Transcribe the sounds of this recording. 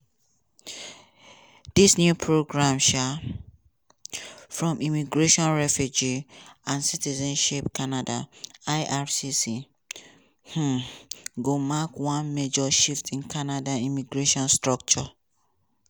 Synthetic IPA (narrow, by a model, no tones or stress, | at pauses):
d̥isnjupʰɹoɡɹãmʃa | fɹɔ̃mʔimiɡɹeʃɔ̃nɹɛfjud͡ʒiãnsitizɛ̃nʃipkanada̰aɪʔafsisi | h̩ | ɡomakwãnmed͡ʒɔʃiftʰĩnkʰanadaimiɡɹeʃɔ̃nstɹɔk̚t͡ʃɔ